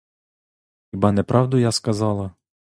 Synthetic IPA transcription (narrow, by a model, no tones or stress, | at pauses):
xibɑnɛpɾʔɑwd̪ʊjaskɐzɑlˠɐ